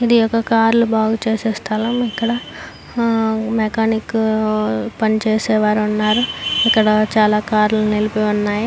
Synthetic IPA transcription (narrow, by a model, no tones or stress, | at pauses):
id̪ijɔkːɐkaːɾlubaːɡut͡ʃeːsɛːst̪ʰɐlɐmikːɐɽɐ | mekaːnik | pɐnit͡ʃeːsɛːʋaːɾunːaːɾuikːɐɽɐt͡ʃaːlaːkaːɾlunelipeunːaːji